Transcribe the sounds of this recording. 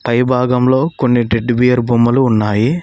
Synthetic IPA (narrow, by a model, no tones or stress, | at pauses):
pɐjbʱaːɡɐmlo̞ːko̞nːiɖeɖbijɐɾbʱumːɐluːnːaːji